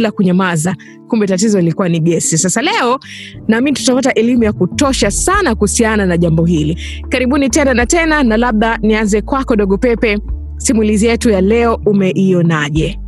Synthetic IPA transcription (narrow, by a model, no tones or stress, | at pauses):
lakuɲamaza | kumbɛtatizɔilikuaniɠɛsisasalɛɔnaminitu̥tapataʔɛlimujakutɔʃasanakuhusiananaʄambɔɦilikaɾiɓunitɛnanatɛnanalaɓ̚ɗanianzɛkwakɔɗɔɠɔpɛpɛ | simulizijɛtujalɛɔumɛʔiɔnaʄɛ